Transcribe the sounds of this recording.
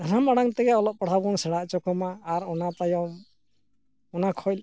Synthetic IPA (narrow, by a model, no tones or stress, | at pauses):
anamaɽaŋt̪ɛɡɛɔlɔp̚paɽ̤ʰabɔnsɛɽaʔt͡ʃɔkɔmaːɾɔnat̪ajɔm | ɔnakʰɔjl